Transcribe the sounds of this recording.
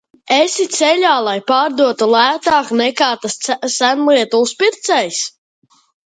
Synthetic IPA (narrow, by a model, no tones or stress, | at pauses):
esit̪sɛʎʲaːlˠajpaːɾd̪uɔt̪ulˠæːt̪aːknɛkaːt̪asːænlˠiɛt̪ulˠspiɾt̪sɛjs